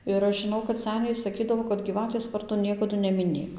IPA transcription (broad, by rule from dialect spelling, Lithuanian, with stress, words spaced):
ɪr ˈɐʃ ʒʲɪˈnɐʊ kɐt ˈsʲæːnʲɛɪ sɐˈkʲiːdɐʋoː kɐt ɡʲiːˈʋɑːtʲeːs ˈʋɐrdoː ˈnʲiɛkɐdʊ nʲɛmʲɪˈnʲeːk